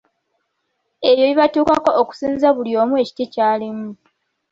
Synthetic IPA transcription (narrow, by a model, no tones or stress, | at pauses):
e̞jo̞βiβatuːkako̞ʔːku̥siːnzaβulio̞ːmue̞ci̥tecaːlemu